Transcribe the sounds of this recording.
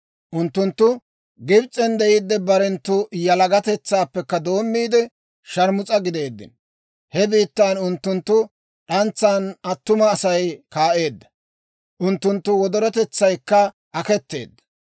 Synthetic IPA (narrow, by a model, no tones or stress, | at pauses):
ʔʊnt̪ːʊnt̪ːʊ | ɡɪbt͡sʼːɛnd̪ɛjɪd̪ːɛbɐɾɛnt̪ːʊjɐlɐɡɐt̪ɛt͡sːaːpːɛkːɐd̪o̞ːmːiːd̪ɛ | ʃɐɾmʊt͡sʼɐɡɪd̪e̞ːd̪ːɪ̰n | hɛbiːt̪ːaːnʊnt̪ːʊnt̪ːʊ | ɗɐnt͡sːaːnɐt̪ːʊmɐːsɐjkaːʔe̞ːd̪ːɐ̥ | ʔʊnt̪ːʊnt̪ːʊwɔd̪ɔɾɔt̪ɛt͡sːɐjkːɐ | ʔɐkɛt̪ːe̞̰ːd̪ːɐ̥